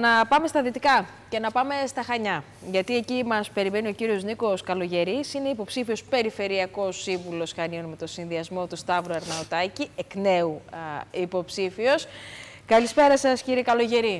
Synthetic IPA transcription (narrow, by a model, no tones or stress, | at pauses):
nɐpɐme̞st̪ɐðit̪ikɐ | ce̞nɐpɐme̞st̪ɐxɐɲɐ | ʝɐt̪ie̞cimɐspe̞ɾime̞nio̞ciɾio̞zniko̞skɐlo̞ʝe̞ɾisine̞ipo̞psifio̞spe̞ɾife̞ɾiɐko̞sːiɱvulo̞sxɐnio̞nme̞t̪o̞sinðiɐzmo̞t̪ust̪ɐvɾoeɾnɐot̪ɐciekne̞uipo̞psifio̞skɐlispe̞ɾɐsɐsciɾiekɐlo̞ʝe̞ɾi